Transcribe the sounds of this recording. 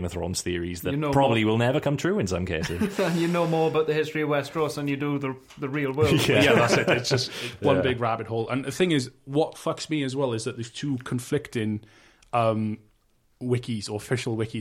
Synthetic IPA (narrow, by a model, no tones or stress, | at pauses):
məθɹõ̰ʊ̃nz̥θɪəɹḭzððətopʰɹ̥ɑbəbliwɪlˠnɛvə˞kʰʌ̃mt̪ʰɹ̥ʉːɨ̃nsʌ̰̃mkʰeɪsɪzə̃njɨnoʊmɔːɹəbaʊt̪̚ðəhɪstɹ̥iəvwɛstɹ̥osðə̃njɨdəðə | ðəɹilˠwɜ˞æjæðatsɪtɪtsd̥ʒ̥ʌstwʌ̃bɪɡɹabɨt̚ɦoʊlˠə̰̃nðəθɪ̃ŋɪzwɒtfʌksmiɨzwɛlˠɪzðət̪̚ðəz̥tʰʉːkʰə̃ɱflɪktɪ̃ŋ | ʔʌ̃m | wɪkiz̥ə˞əfɪʃl̩ˠwɪki